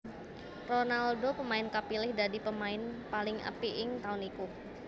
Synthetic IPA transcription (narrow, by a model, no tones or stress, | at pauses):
ronaldopəmaɪnkapilɪhdadipəmaɪnpalɪŋə̰piʔɪŋt̪aʊniku